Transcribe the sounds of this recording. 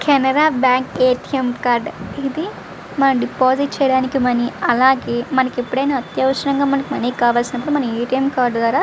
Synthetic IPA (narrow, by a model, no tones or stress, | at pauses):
kʰɛnɐɾaːbjaːŋkeːʈiemkaːɾɖid̪i | mɐnɐɖipoːziʈ̚t͡ʃɛːjɐɽaːnikimɐniɐlaːɡeːmɐnɐkepːuɽɐjnaːɐt̪jɐʋɐʃɐɾɐŋɡaːmɐnɐkimɐniːkaːʋaːlsinɐpːuɽumɐnɐeːʈijemkaːɾɖd̪ʋaːɾaː